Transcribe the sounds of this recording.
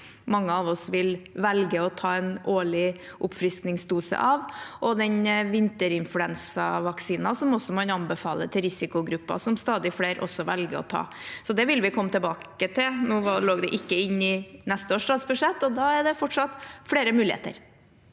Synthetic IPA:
mɑŋːəɑʋɔsʋɪlʋɛlɡəɔt̪ʰɑːɛnʔoːɭɪ | ʔʊpfɾɪsknɪŋsd̪uːsə̰ʔɑʋʔɔd̪ɛnʋɪnt̪əɾɪnflʉɛnsɑʋɑksiːnɑsɔmɔsɔmɑnɑnbəfɑ̰ːlə̰t̪ʰɪɾɪsɪkʊɡɾʉpːɑ̰sɔmst̪ɑːd̪ɪfleːɾʔɔ̰sːɔʋɛlɡəɔ̰t̪ʰɑ̰ːsɔd̪ɛʋɪlʋɪkʰɔmːət̪ʰəbɑːkət̪ʰɪlnuːʋɑloːɡd̪ɛʔɪkːəɪnːɪnɛst̪əoːʂt̪ɑːt̪sbʉʂɛt̪ːɔd̪ɑæɖɛfɔʈʂɑt̪fɽeːɾəmʉːlɪḛːt̪ə̰ɾ

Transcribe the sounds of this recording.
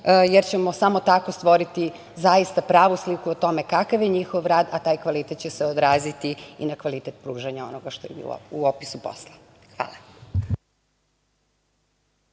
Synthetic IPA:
jeɾt͡ɕemo̞samo̞t̪ako̞st̪ʋo̞ɾit̪i | zajist̪apɾaːʋuslikuot̪o̞me̞kakaʋjeɲixo̞ʋɾaːd̪at̪aːjkʋalit̪et̪̚t͡ɕeseod̪ɾaːzit̪iḭnakʋalit̪et̪pɾuːʒaɲao̞noɡaʃt̪ojebḭuopisupo̰slˠa | xʋa̰ːlˠa

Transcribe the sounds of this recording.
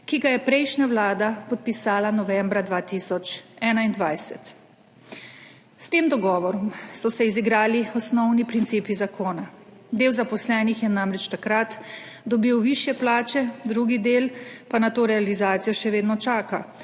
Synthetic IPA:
kiɡajɛpɾɛjʃnawlaːd̪apɔt̪̚pisaːlanɔʋɛmbɾad̪ʋaːt̪isɔt͡ʃɛːnaind̪ʋajsɛ̰t̪ | st̪eːmd̪ɔɡɔːʋɔɾɔmsɔsɛiziɡɾaːliɔsnɔwnipɾint̪siːpizakoːnad̪eːwzapɔslɛːnixjɛnamɾɛt͡ʃt̪akɾat̪d̪ɔbiwʋiːʃjɛplaːt͡ʃɛd̪ɾuɡid̪eːlpanat̪oːɾɛalizaːt̪sijɔʃɛʋeːd̪nɔt͡ʃaːka

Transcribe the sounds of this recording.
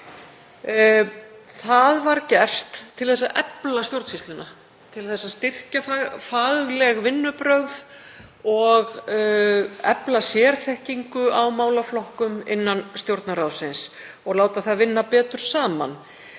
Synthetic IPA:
θaðvaɾcɛr̥t̪ʰːɪlθɛsːaʔɛplast̪jowɾt̪sist̪lɪna | t̪ʰɪlθɛsːast̪ɪr̥cafafaːɣɣlɛɣvɪnːʏpɾœɣð | ɔɣ | ɛplasjɛːɾ̥θɛhciŋkʏʔawmaːwlaflɔhkʏmɪ̰nːanst̪jowɾt̪naɾawsɪns | ɔɣlaːwt̪aθaðvɪnːapɛːt̪ʏɾ̥saːma̰n

